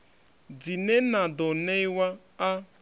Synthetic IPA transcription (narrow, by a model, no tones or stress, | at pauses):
d͡zinenadɔnewa | a